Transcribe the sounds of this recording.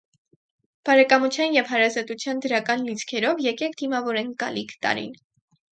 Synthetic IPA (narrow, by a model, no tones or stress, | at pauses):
b̥ɑɾɛkɑmut͡sʰjɑnjɛvhɑɾɑzɑt̪ut͡sʰjɑnd̪əɾɑkɑnlit͡sʰkʰɛɾɔvjɛkɛkʰd̪imɑvɔɾɛnkɑ̰likʰt̪ɑ̰ɾḭn